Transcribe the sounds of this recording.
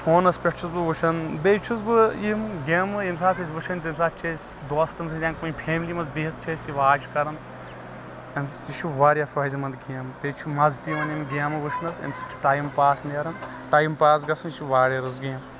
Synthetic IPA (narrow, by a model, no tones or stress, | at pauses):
fʰoːnɐspʲeʈt͡ʃʰuzbɨʋut͡ʃʰɐnbeːt͡ʃʰuzbɨimɡʲemɨemsaːt̪ʰizʋɨʃʰɐnʲt̪emsaːt͡ʃʰes | d̪oːst̪ɐnsɾʲaːnkunʲpʰeːmlimɐzbiɦt̪̚t͡ʃʰesiʋaːt͡ʃʰkɐɾɐnt̪ | emsiʃʰuʋaːɾʲjɐfɐːd̪imɐnd̪ɡijɐmbet͡ʃʰumɐzt̪imɐnimɡeɐmɨʋuʃʰnɐsɐ̰mst͡ʃʰu̥ʈaːjmpaːsneɾɐn | ʈaːjmpaːs̬ɡɐsɐniʃʰuʋaːɾʲjɐɾɨzɡijɐm